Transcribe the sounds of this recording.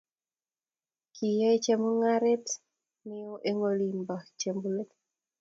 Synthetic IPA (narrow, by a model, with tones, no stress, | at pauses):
kʰi˨je˦t͡ʃe˦mo˦ŋaɾɛ˦t | mɪ˦o˦ʔe˦ŋo˦li˨mba˨t͡ʃembule˦t